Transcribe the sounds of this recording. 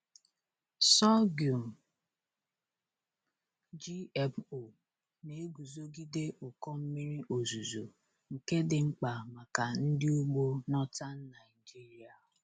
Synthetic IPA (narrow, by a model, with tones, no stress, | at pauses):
sɔ˦ɡju˨m̩˨ | d͡ʒi˦ɛ˦po˨ | ne˨e˦ɡu˨zo˦ɡi˦de˦ʔʊ˨kɔ˦m̩˦mi˦ɾi˦ʔo˨zu˨zo˨ | ŋ̩˨ke˦dɪ˨ŋ͡m̩˦k͡pa˨ma˨ka˨n̩˦dɪ˦u˦ɡ͡bo˦nɔ˦ta˦n̩˦na˨i˨d͡ʒi˦ɾi˦a˨ʊ˨